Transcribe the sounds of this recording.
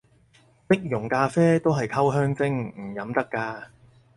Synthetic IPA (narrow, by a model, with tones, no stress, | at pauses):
pɪ˥k̚jʊ˨˩ŋkaː˧fɛː˥t̪o˥wɦɐ˨jkʰɐ˥wɦœː˥ŋt͡sɪ˥ŋm̩˨˩jɐ˨˥mt̪ɐ˥kːaː˧